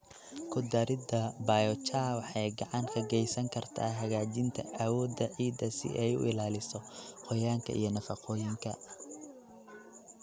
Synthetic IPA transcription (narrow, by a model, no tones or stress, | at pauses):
kʰʊd̪ɐɾɪd̪ɐbaːjɔt͡ʃʰaːwɑħɑjɡɑʕɑŋkʰɐɡɛjsɐŋkʰɐrt̪ʰa̰ːɦɐɣaːt͡ʃɪnt̪ʰɐʔɐwɔːd̪ɐʕiːd̪ɐsɪ̰ʔɛjʊ̰ʔɪ̰laːlɪsɔqɔjaːŋkʰɐ̰ʔḭjɞnɐfɑqɔːjɪŋkʰɐ